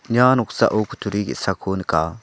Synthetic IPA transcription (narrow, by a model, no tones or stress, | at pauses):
ɲaːnuksa̰ʔoːkʰu̥t̪ʰuɾikḭsakʰoːnika̰ː